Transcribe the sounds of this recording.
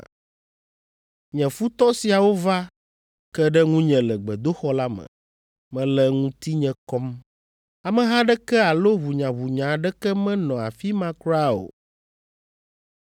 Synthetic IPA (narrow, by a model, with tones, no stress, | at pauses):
ɲɛ̃˨fu˦t̪ɔ˦si˨a˨wo˦va˦ | kɛ˦ɖɛ˦ŋũ˦ɲɛ̃˨lɛ˨ɡ͡bɛ˨d̪o˦xɔ˦la˦mɛ̰̃˨ | mɛ̃˦lɛ˦ŋũ˦t̪i˦ɲɛ̃˦kɔ˦m | a˨mɛ̃˨ɦã˦ɖɛ˦kɛ˦a˨lo˦βu˨ɲã˨βu˨ɲã˨ɖɛ˦kɛ˦mɛ̃˦nɔ̃˨a̰˨fi˦mã˦kɾa˦o̰˨